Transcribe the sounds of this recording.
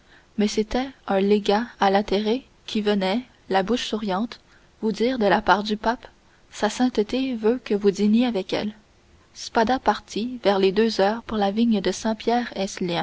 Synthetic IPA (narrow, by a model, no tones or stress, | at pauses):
mɛset̪ɛɛ̃leɡaːlat̪eʁe | kʲivənɛ | labuʃsuʁjɑ̃ːt̪ | vud̪iːʁd̪əlapaːʁd̪ypap | sasɛ̃t̪ət̪evøkəvud̪iɲeavɛkɛ̰l | spad̪apaʁt̪ivɛʁled̪øzœːʁpuʁlaviɲd̪əsɛ̃pjɛːʁɛslijɛ̃